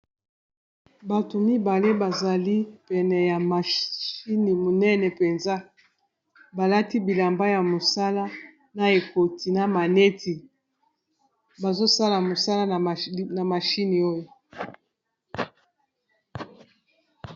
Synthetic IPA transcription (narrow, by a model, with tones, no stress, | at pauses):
ba˨to˨mi˦ba˨le˦ba˨za˨li˦pɛ˨nɛ˨ja˨ma˨ʃi˦ni˨mo˨nɛ˦nɛ˨pe˨nza˦ | ba˨la˦ti˦bi˨la˨mba˦ja˨mo˨sa˦la˦ | na˨e˨ko˨ti˨na˨ma˨ne˦ti˨ | ba˨zo˦sa˦la˨mo˨sa˦la˦˨na˨ma˨ʃi˦ni˨o˦jo˨